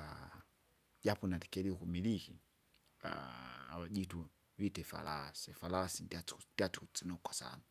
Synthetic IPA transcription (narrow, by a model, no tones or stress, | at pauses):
a | ɟapɔnati̥kɛliukumiliki | a̰a̰waɟitu | vitɛfa̰lasɛfalasindandiat͡sukut͡sinɔukwasa̰na